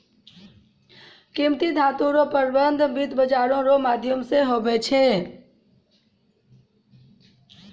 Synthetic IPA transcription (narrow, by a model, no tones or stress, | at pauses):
kĩmt̪id̪ʱaːt̪ũɾopəɾbənd̪ʱbɪt̪bəd͡ʒaːɾõɾomaːd̪ʱjəmseɦoːbɛt͡ʃʰeː